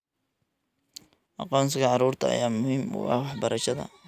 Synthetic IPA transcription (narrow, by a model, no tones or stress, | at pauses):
ʔɑqɔːnsɪkʰɐʕɑɾuːrt̪ʰɐɐ̰jaːmʊhiːmʊ̰ɑ̰wɑħbɐɾɐʃɐðɐ̰